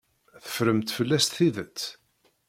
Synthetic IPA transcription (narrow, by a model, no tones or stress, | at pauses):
θə̥fɾəmt̪fəlːæst̪θiðət͡sː